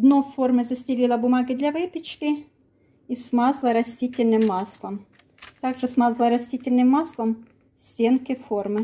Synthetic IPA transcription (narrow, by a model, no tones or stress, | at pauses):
d̪noformɨzɐsʲtʲɪlʲilˠɐbʊmaɡʲɪd̪lʲavɨpʲɪt͡ɕkʲɪ | ismazlˠɐɾɐsʲtʲitʲɪlʲnɨmːaslˠɐm | t̪aɡʐɨsmazlˠəɾɐsʲtʲitʲɪlʲnɨmːaslˠəm | sʲtʲenkɪformɨ